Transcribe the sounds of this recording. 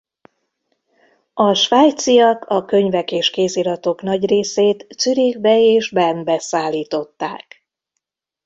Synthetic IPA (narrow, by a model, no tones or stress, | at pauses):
ɒʃʋaːjt̪sijɒkʰɒkø̞ɲvɛkeːʃkeːziɾɒt̪o̞knɒɟreːseːt̪syɾiɡbɛeːʒbɛmbɛsaːlːiːt̪o̞t̪ːa̰ːk